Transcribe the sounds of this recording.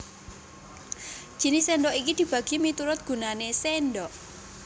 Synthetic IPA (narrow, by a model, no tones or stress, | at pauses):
d͡ʒʒ̥i̤nɪsɛnɖɔʔikid̪̥i̤b̥ä̤ɡ̥imit̪uɾʊt̪̚ɡ̥ṳnanesenɖɔʔ